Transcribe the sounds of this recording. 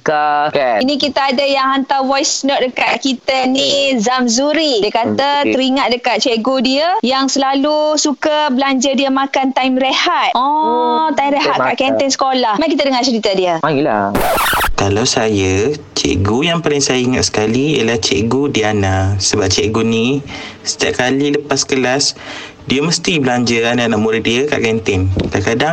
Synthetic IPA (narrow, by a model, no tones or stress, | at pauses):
k | inĩkit̪aːdajaŋɦant̪awajsnɔt̪̚dəkaʔ̪̚kit̪anizamzuɾidiəkat̪at̪əɾiŋat̪̚dəkat̪̚t͡ʃeʔɡodiəjaŋsəlalusukabəlaɲd͡ʒadiamakant̪ajmɾehat̪̚ɔt̪aimɾeɦaʔ̪kaʔkɛnt̪ɛŋsə̥kolahmakit̪adəŋat͡ʃəɾit̪adiəl̰ | kalawsajə | t͡ʃɛ̰ʔɡujaŋpalɪŋsajaiŋaʔ̪sə̥kaliiəlaht͡ʃeʔɡodiəanasəbap̚t͡ʃɛʔɡonĩsə̥t̪iaʔ̚kaliləpasːə̥kəlas | diəməst̪ibəlaɲd͡ʒəananaʔmuɾəhdiəka̰ʔkɛnt̪ɛnkaʔkadaŋ